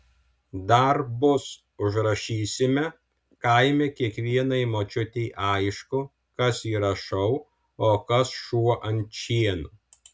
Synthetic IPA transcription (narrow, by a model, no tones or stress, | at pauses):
d̪ɐɾbʊs | ʊʒɾɐʃʲiːsʲɪmʲɛ | kɐɪmʲɛkʲiɛkʋʲiɛnɐɪmoːt͡ʃʲʊt̪ʲɛɪʔɐɪʃkʊ | kɐsiːɾɐʃɐʊ | oːkɐsʃuɔʔɐnʲt͡ʃʲiɛnʊ